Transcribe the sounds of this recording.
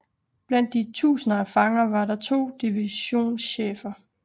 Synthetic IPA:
b̥læn̰d̥ːit͡sʰṵːsənɐæfɑ̈ŋɐʋɑ̈ɾɑ̈t͡sʰo̝̰ːd̥iʋiɕo̝̰ːnsɕḛːfɐ

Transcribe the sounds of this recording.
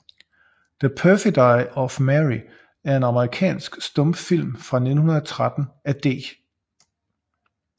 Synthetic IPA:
ð̥əpʰœfidɑ̈ɪɒ̽fmæʁi | æɐe̝nɑ̈məʁikʰɛ̰ːnsɡ̥sd̥ɔ̽m̥fil̰mfʁɑ̈ne̝d̥n̩hɦunɐðˠət͡sʰʁad̥n̩æd̥e̝̰ː

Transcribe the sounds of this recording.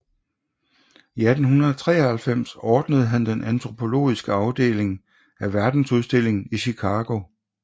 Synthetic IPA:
iæd̥n̩ɦunɐðˠɒt͡sʰʁɛ̰ːɐhælfem̰sɒːd̥nəð̞̩ˠɦænd̥enʔænt͡sʰʁo̝pʰo̝lo̝̰ːisɡ̥əɑ̈ʊd̥e̝̰ːle̝ŋ | æʋæɐd̥n̩suðˠsd̥e̝l̰e̝ŋ̩iɕikʰɑːɡ̥o̝

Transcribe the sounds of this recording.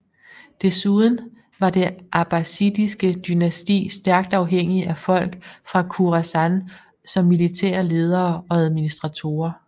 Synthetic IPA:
d̥e̝suð̞ˠn̩ | ʋɑ̈d̥e̝ʔɑb̥æsid̥isɡ̥əd̥ynæsd̥ḭːsd̥æɐɡ̥̚d̥ɑ̈ʊɦeŋ̰iæfɒ̽l̰ɡ̥fʁɑ̈kʰuʁasæn | sɒ̽mːilit͡sʰɛ̰ːɐle̝ːð̞ˠɐːɒ̽æð̞ˠminisd̥ʁɑ̈t͡sʰo̝̰ːɐ

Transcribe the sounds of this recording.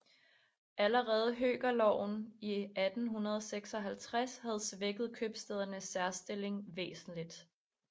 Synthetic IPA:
ʔæləʁɛːð̞̩ˠɦø̰ːɡ̥ɐlɒ̰ʊ̰n̩iʔæd̥n̩ɦunɐð̞ˠseɡ̥sɒ̽ɦælt͡sʰʁashæð̞ˠsʋeɡ̥ð̞̩ˠkʰøb̥sd̥eð̞ˠɐnəsːæɐsd̥e̝le̝ŋʋḛːsn̩lid̥

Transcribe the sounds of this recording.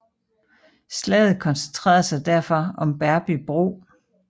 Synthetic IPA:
slɛð̩ˠkʰɒ̽nsent͡sʰʁɛ̰ːɐð̩ˠsɑ̈ɪd̥æɐ̰fɒ̽ɒ̽mb̥æɐb̥ib̥ʁo̝̰ː

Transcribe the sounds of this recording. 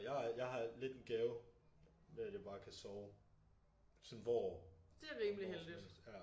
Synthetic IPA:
jɑɪjɑ̈ɪɦɑ̈le̝d̥nɡ̥ɛːʊ | meæd̥jɑ̈b̥ɑ̈ːkʰæsɒʊ | sɔnʋɒːd̥e̝æʁiːmliheldid̥jæ

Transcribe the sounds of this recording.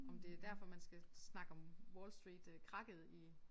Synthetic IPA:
ɒ̽md̥e̝æɐd̥æɐ̰fɒ̽mænsɡ̥æsnɑ̈ɡ̥əɒ̽mwɔːlsd̥ʁiːd̥kʰʁɑ̈ɡ̥əð̩ˠi

